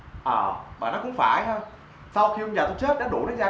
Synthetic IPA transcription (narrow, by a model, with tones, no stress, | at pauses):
ʔəː˨˩ɓaː˨˩nɔ˨˦kʊ̰˧˥ŋ͡mfaː˧˩jɦə˧j | sa˧wxi˧ə˧ɲaː˨˩t̪o˧t͡ɕe˦˥t̚ɗa̰ː˧˥ɗṵ˨˧˩naː˨˦jzaː˧